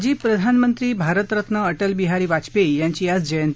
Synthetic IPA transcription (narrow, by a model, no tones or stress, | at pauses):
d͡ʑiːpɾəd̪ʱanmənt̪ɾiːbʱaɾət̪ɾət̪nəːʈəlbiɦaɾiːʋat͡spejaɲt͡ɕiːat͡sd͡ʑəjənt̪